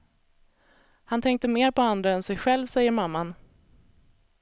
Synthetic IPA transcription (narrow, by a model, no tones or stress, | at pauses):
hant̪ʰɛŋkt̪əmeːɾpʰɔand̪ɾaɛnsɛjɧɛlvsɛjːəɾmamːan